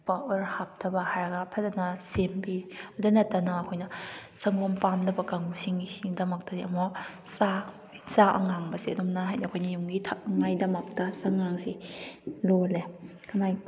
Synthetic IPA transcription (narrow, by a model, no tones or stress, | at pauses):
paʔɔɾhap̚tʰɐbɐhajɾɐɡɐpʰɐdɐnɐsembiɐdanɐtːanɐːkʰojnɐ | sɐŋompamdɐbɐkaŋusiŋɡisiŋdɐmɐk̚tɐdiɐmo | sa | saʔɐ̰ŋaŋbɐsiɐdɔmnaɦajnaɐkʰojnɐjuŋɡitʰaɐŋajdɐmak̚tɐsaŋaŋsi | lole | kʰɐmaj